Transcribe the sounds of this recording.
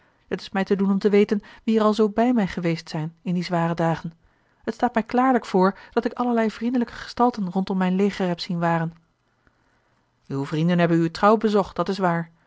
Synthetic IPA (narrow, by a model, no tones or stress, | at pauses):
hətɪ̥smɛjtədunɔmtəʋejtənʋiɛɾɑlˠzowbɛjmɛjχəʋejstsɛjnɪndizʋaːrədaːχən | ɦətstaːtmɛjklaːɹləkfʊːɹd̥ɑtɪkɑləɹlɛjvrindələkə̥χə̥stɑlˠtənrɔntɔmːɛjnlejχəɹɦɛpsinʋaːrən | ywvrindənɦɛbənytrɑwbəzɔχt̚d̥ɑtɪsʋaːɹ